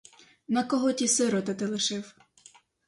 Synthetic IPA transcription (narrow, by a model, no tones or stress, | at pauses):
nɐkɔɦɔtʲisɪɾɔt̪ɪt̪ɪlˠɪʃɪw